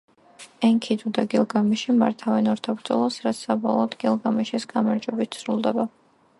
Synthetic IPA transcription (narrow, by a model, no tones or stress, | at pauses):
ɛŋkʰid̪ud̪aɡilˠɡamiʃima̰ɾt̪ʰavɛnɔɾt̪ʰabɾd̪zɔlˠasɾat̪ssabɔlˠɔːd̪ɡilˠɡamiʃɛsɡamaɾd͡ʒwɛbit̪̚ʰsʰɾulˠd̪ɛba